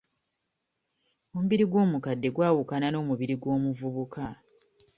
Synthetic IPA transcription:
o̞muβiɾiɡwo̞ːmukadːe̞ɡwaːwukanano̞ːmuβiɾiɡwo̞ːmuvuβuka

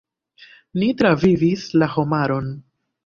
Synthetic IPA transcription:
nitɾavivislaho̞maɾo̞n

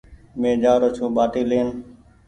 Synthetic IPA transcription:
mẽːd͡ʒaːɾoːt͡ʃʰũːɓaːʈiːleːn

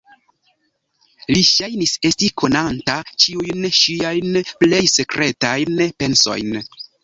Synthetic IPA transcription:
liʃajnise̞stikʰo̞nantat͡ʃiujnʃiajnple̞jse̞kɾʔe̞tajnpe̞nso̞̰jn

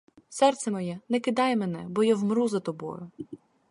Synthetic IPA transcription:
sɛrt̪sɛmɔjɛnɛkɪd̪ɑjɛmɛnɛbɔjawmɾuzɐt̪ɔbɔ̰jʊ

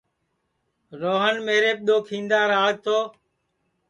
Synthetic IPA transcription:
ɾoːɦənmeːɾeːp̚ɗ̪oːkʰĩːnd̪aːɾaːɡ̚t̪oː

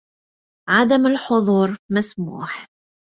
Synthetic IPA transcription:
ʕad̪amalħʊðˤuːɾˤmasmṵːħ

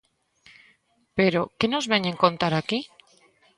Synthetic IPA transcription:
peɾo̞keno̞zβeɲeŋkõ̞nt̪aɾaki

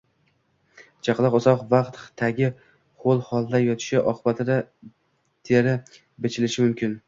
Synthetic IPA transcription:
t͡ʃʰaqlˠɑqʊzɒqvaqt̪χt̪ʰaɡʲɪ | χolˠhɒlˠd̪ajɒt̪ʰɪ̥ʃɪʔɒqʰɨbat̪ʰɪd̪a | t̪ʰeɾɪ | bet͡ʃʰɪlɪʃɪmʊmkʲʰɪn

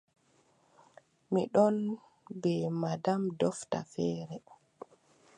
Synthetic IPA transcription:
miɗɔn | bɛmadamdɔfta̰fɛːɾɛ

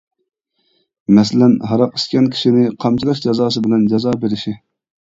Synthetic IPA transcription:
mɛs̬ɪlɛnɦɑɾɑqi̥skʲɛnkʲʰi̥ʃinɪqʰɑmt͡ʃʰilˠɑʃd͡ʒɑzɑːs̬ɨbɪlɛnd͡ʒɑzɑːbeɾɪʃi

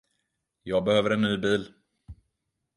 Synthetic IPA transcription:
jɑːɡ̚bɛhøːvəɾɛnːyːbiːl

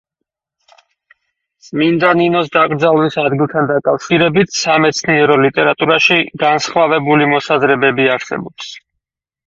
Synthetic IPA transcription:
sʼmind̪aninɔs̬d̪akʼɾd̪zalˠmisad̪ɡilˠt̪ʰand̪akʼafʃiɾɛbit̪ʰsamɛt̪sʰniɛɾɔlit̪ʼɛɾat̪ʼuɾaʃiɡansχvavɛbulimɔsazɾɛbɛbiaɾsɛ̰bɔps

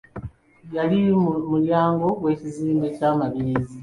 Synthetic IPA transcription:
jalimuljaːŋɡo̞ɡwe̞ːciziːmbe̞caːmaβiiːzi

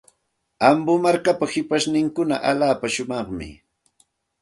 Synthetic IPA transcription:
ambʊmaɾkapahɪpaʃnɪŋkʊna̰ʔaʎaːpaʃʊmɑχmɪ̰

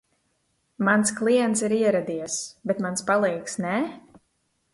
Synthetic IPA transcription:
mansklˠiɛnt̪siɾiɛɾad̪iɛsbɛt̪manspalˠɛjksnɛ

